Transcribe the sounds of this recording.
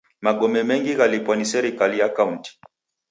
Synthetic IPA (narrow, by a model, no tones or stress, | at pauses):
maɠɔmɛmɛŋɡiɣalipwanisɛɾikalijakaunti̥